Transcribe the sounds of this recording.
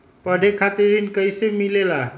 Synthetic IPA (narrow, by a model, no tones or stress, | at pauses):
pəɽʱekʰat̪iɾinkəjsemilela